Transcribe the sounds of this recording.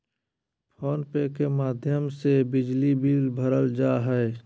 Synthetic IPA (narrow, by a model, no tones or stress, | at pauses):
pʰɔːnpekemaːd̪ʱjəmsebɪd͡ʒlibiːlbʱəɾəld͡ʒaːɦɛe